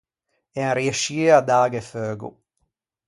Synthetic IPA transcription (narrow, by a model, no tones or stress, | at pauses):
ɛɾjeʃiːad̪aːɡeføːɡṵ